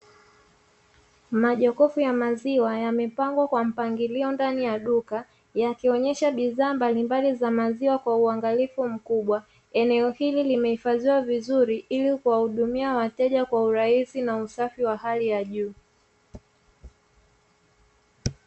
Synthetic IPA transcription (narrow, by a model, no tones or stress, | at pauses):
maʄɔkɔfujamaziwajamɛpaŋɡwakwam̩paŋɡiliɔndanijaɗuka | jakiɔɲɛʃaɓiðaːmbalimbalizamaziwakwauaŋɡalifum̩kuɓwa | ɛnɛɔhililimɛhifaziwavizuɾiʔilikuwahuɗumiawatɛʄakwauɾaisinausafiwahalijaʄuː